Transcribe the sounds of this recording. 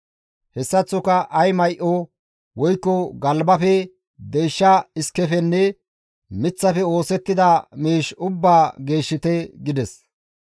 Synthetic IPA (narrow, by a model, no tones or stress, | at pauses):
hɛsːɐt͡sːʊkɐʔɐjmɐjʔo | wɔjkːɔɡɐlbɐfɛ | d̪ɛjʃːɐɪskːɛfɛnːɛ | mɪt͡sːɐfɛo̞ːsɛt̪ːɪd̪ɐmiːʃʊbːaːɡe̞ːʃːɪt̪ɛɡɪd̪ɛs